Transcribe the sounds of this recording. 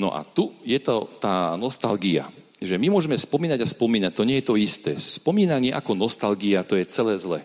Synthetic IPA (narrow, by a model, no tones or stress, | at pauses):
nɔ̰ʔa̰t̪ujɛt̪ɔt̪aːnɔst̪alɡia̰ | ʒɛmimʊɔʒɛmɛspɔmiːnaɟaspɔmiːnac̚t̪ɔɲɪɛjɛt̪ɔist̪ɛ̰ːspɔmiːnaɲɪɛʔakɔnɔst̪alɡiat̪ɔjɛt͡sɛlɛːzlɛ̰